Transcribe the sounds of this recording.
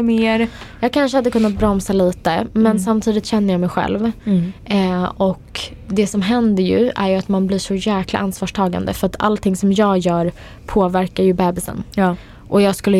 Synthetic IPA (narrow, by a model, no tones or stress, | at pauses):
meːɾjɑːɡ̚kʰanʂəhad̪ːəkʰɵnːat̪̚bɾɔmsaliːt̪əmɛnsamt̪ʰiːd̪ɪt̪ɕɛnːəɾjɑːmɛjɧɛ̰lv | ɔk | d̪ɛsɔmɦɛnd̪əɾjɵ̰æ̰ɾjɵat̪manblɪːʂɔjæːkla̰ʔansvɑːʂʈʰɑːɡa̰nd̪ə̰fœɾat̪ʰa̰lt̪ʰɪŋsɔmjɑːɡjœːɾ | pʰoːvæɾkaɾjɵbɛːbɪsə̰nː | ʔɔjɑːɡskɵlːə